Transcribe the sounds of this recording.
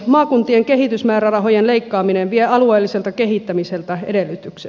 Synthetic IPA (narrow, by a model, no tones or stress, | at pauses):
mɑːkunt̪ieŋkehit̪ysmæːɾærɑɦo̞jenleikːɑːmineʋʋieɑlueːlːiselt̪ɑkeɦit̪ːæmiselt̪æḛdelːyt̪yksḛ